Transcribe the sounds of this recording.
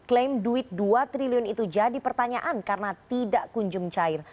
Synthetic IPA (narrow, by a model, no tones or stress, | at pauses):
klemduɪt̪̚duat̪ɾiliʊnit̪ud͡ʒadipərt̪aɲaʔankarnat̪idaʔkuɲd͡ʒʊŋt͡ʃaɪr